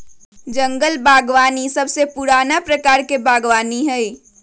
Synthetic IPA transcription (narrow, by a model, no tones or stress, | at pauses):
d͡ʒɐ̃ŋɡəlbʱaːɡʋaːnisɐbsepʊɾaːnapɾɐkaːɾkebʱaːɡʋaːniɦɛː